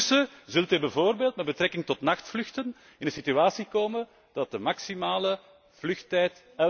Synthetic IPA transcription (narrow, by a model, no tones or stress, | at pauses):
səzɵlˠtɛːbəvoːrbeːlˠtmɛd̚bət̪ɾɛkɪŋtɔtnɑxtflʏxtən | ɪndənsityaːsikoːmən | d̥ɑt̚dəmɑksimaːlə | v̥lʏxtɛjt | ɛ